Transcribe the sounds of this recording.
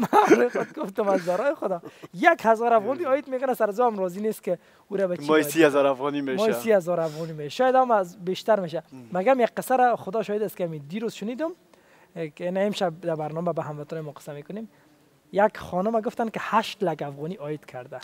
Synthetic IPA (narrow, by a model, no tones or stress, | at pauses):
maɾɔjxʊd̪̚ɡʊft̪ʊmazd̪aɾɔjɪxʊd̪ɔjakhazɔɾafɣɔniɔjɪd̪mekʊnasaɾazuamɾɔzinest̪kɪ | uɾabamɔisiazɔɾafɣɔnimemɔisihazɔɾafɣɔnimeʃaʃɔjad̪amazbeʃt̪aɾmeʃ̬amaɡamjakqːɪsaɾaχʊd̪ɔʃɔhed̪ast̪kɪamid̪iɾozʃʊnid̪ʊm | knaemʃab̚d̪abaɾnɔmabaɦamʋat̪ɔjmɔqɪ̥sːamekʊnem | jakχɔnʊmaɡʊft̪ankɪhaʃt̪laɡafɣɔniʔɔjɪd̪̥kʰaɾd̪a